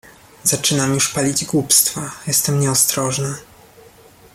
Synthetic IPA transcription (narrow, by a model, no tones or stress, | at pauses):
z̥at͡ʂɘnamjuʂpalʲid͡ʑɡwupst̪fajɛst̪ɛmɲɛɔst̪ɾɔʐna